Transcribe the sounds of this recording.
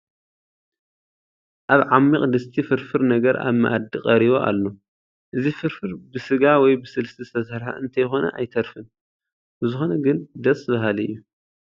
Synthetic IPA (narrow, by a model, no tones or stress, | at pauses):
ʔaβʕamːiqʼd̪ɨst̪ʰifɨɾfɨɾnɐɡɐɾʔa̰βma̰ʔad̪iqʼɐɾiβo̞ʔa̰lːo | ʔɨzifɨɾfɨɾbɨsɨɡawɔjbɨsɨlsɨt̪ʰist̪ʰɐsɾħa̰ʔɨnt̪ʰɐjxo̞nɐ̰ʔa̰jt̪ʰɐɾfɨn | bɨzɨxo̞nɐɡɨnd̪ɐsʼɨβaɦaliɨ̰jːu